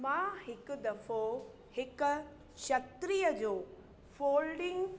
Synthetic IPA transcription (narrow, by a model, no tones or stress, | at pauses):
mãhɪkʊd̪ɐfo | hɪkʊ | ʃɐt̪ɾiːjəd͡ʑoː | foːlɖɪ̃ŋɡ